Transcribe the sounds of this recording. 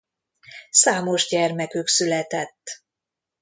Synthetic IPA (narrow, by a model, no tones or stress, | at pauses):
saːmo̞ʒɟɛrmɛkyksylɛt̪ɛt̪ː